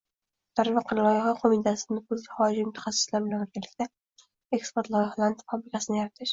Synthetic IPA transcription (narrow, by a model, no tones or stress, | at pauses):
d̪̥aɾvɪqʰɑɾlˠɒjɑhɒqʰomit̪ʰasɪnɪkʰɵzɡʲɪχɒd͡ʒimʊt̪ʰḁχɑsːɪ̥slaɾbɪlanɵɾɡʲanlːɪkʲt̪ʰa | ekspoɾt̪lˠɒjɑhlˠant̪ʰfabɾɪkʲasɪnɪjaɾat̪ʰɪʃ